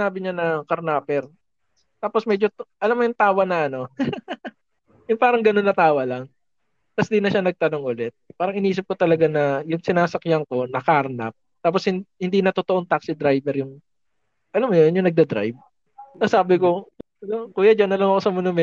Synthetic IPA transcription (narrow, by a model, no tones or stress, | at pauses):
aːbɪɲanɐkɐɾnaːpɛɾ | t̪aːposmɛd͡ʒoʔɐlamːojʊŋt̪aːwɐnɐʔɐno̞ | jʊŋpaːɾɐŋɡɐno̞nːɐt̪aːwɐlɐŋ | t̪ɐsd̪inɐʃanɐɡ̚t̪ɐno̞ŋʔʊlɛt̪̚paːɾɐŋʔɪniːs̬ɪp̚kot̪ɐlɐɡanɐjʊŋsɪnaːsɐkɪjaŋko̞nɐkaɾna̰p̚t̪aːposhɪnhɪnd̪inɐt̪ot̪oʔoŋt̪aksɪd̪ɾajbɛɾjʊŋ | ʔɐlamːojonjʊŋnɐɡ̚d̪ɐd̪ɾa̰jb̚ | sasaːbɪko | nokuːjɐd͡ʒɐnːɐlɐŋɐko̞sɐmonʊmɛ